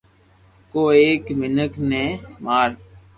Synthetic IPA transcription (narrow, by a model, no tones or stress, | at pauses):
koːeːkmɪnəkneːmaːɾ